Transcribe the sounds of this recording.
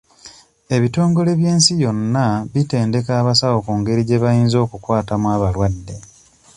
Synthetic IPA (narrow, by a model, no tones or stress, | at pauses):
e̞βito̞ːŋɡo̞le̞βje̞ːnsijo̞nːaβite̞ːnde̞kaːβasawo̞kuŋɡe̞ɾiɟe̞βajiːnzo̞ːkukwaːtamwaːβalwadːe̞